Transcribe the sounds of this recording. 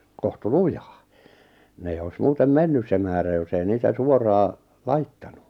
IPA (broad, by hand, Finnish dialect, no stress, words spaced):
kohtu lujɑ̥ː ne eijː oi̞s muːtem menːys se mæːræ jos ei niːtæ suorɑː lɑitːɑnu